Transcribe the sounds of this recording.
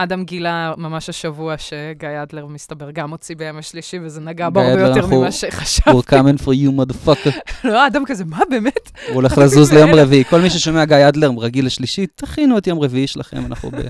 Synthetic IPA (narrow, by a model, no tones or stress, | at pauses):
ad̪amɡilamamaʃaʃavuaʃeɡajad̪leʁmist̪abeʁɡamot͡sibajomaʃliʃivezenaɡabaʁadloenʁamiuaʃeχaʃavuʁkamenfʁijumad̪fakloadamkazemabeːmetuole̞χlazuzlejomaʁeviiko̞lmiʃ̬eʃo̞meaɡajad̪leʁmʁaɡilaʃliʃit̪aχinuetjo̞mʁeviiʃelaχḛmanʔa̰χṵbḛ